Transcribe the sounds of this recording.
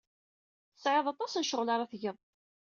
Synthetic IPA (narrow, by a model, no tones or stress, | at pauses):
θəsʕeðˤɑt̪ˤɑsnʃəʁlɑɾˤɑθʝəð